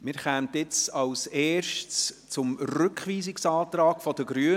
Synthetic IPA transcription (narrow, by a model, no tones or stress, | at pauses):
mɪːɾχɛːmtɪt͡sɑwsɛːɾʃt | t͡sʊmrʏkχʋiːsɪksɑːtɾɑːkfɔd̥əɡɾyə